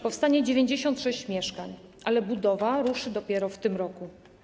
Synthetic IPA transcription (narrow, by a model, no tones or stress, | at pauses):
pɔfst̪aɲɛd͡ʑevʲjeɲd͡ʑeɕɔnt̪ʂɛɕt͡ɕmʲjɛʂkaɲ | ʔalɛbud̪ɔvaɾuʂɘd̪ɔpʲjɛɾɔft̪ɘmɾɔku